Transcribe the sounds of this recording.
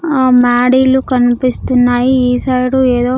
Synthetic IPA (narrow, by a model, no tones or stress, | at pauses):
maːɽilukɐnpist̪unːaːjiiːsɐjɽueːd̪oː